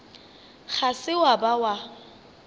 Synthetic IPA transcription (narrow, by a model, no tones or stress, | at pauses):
χʰasɪwabawa